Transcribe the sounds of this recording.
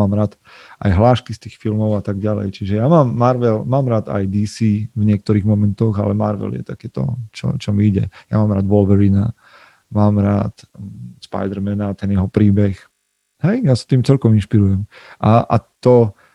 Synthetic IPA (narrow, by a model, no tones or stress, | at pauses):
aːmɾaːt̪ | ʔa̰jɦlaːʃkist̪iːxfilmɔʊat̪aɡɟalɛ̰jt͡ʃiʒɛjaːmaːmːaɾʋɛlmaːmɾaːd̪a̰jd̪iːsiːvɲɪɛk̚t̪ɔɾiːɣmɔmɛnt̪ɔɣa̰lɛmaɾʋɛ̰ljɛ̰t̪akɛːt̪ɔ̰t͡ʃɔ̰t͡ʃɔmiiɟɛ̰ja̰maːmɾaːd̪ʋɔlʋɛɾina | maːmɾa̰ːt̪spa̰jd̪ɛɾmɛnat̪ɛnjɛɦɔpɾiːbɛx | ɦɛjjasḁt̪iːmt͡sɛlkɔminʃpiɾujɛmʔaʔa̰t̪ɔ